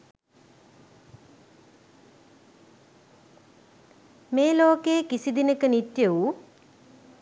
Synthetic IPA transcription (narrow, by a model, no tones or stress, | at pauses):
meːloːkeːkisid̪inəkənit̪jeu